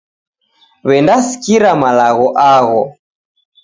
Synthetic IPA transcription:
βɛndasi̥kiɾamalaɣɔʔaɣɔ

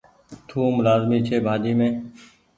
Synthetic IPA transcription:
t̪ʰũːmʊlaːzmiːt͡ʃʰeːbʱaːd̪iːmẽː

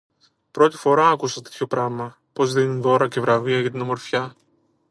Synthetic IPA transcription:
pɾo̞t̪ifo̞ɾɐːkusɐt̪et̪ʰço̞pɾɐmɐ | po̞zðinunðo̞ɾɐce̞vɾɐviɐʝɐt̪inɐmo̞ɾfçɐ

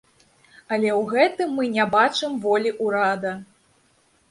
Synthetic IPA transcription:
ɐlʲɛwɣɛt̪ɨmːɨnʲabat͡ʂɨmvɔlʲiʔuɾad̪ɐ

